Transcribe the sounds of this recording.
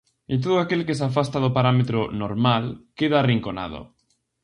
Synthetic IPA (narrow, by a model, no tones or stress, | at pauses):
ɪt̪̬oðoakelkesafast̪aðopaɾamet̪ɾonoɾmalkeðaːriŋkona̰ðo̰